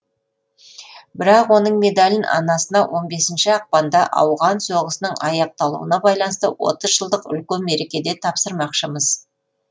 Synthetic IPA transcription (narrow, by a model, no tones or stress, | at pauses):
bɪɾɑqwo̞nəɴme̞d̪alʲɪnɑ̰nɑsənɑwʔo̞nbe̞sɪnʃɪɑq̚pɑnd̪ɑʔɑ̰wʁɑnso̞ʁəsənəɴɑjɑq̚t̪ɑlˠṵwə̰nɑbɑjlˠɑnəst̪əwo̞̰t̪əzʒəlˠd̪əqʏ̰lkʲemːe̞ɾe̞kʲe̞d̪e̞t̪ʰɑpsəɾmɑqʃəməz̥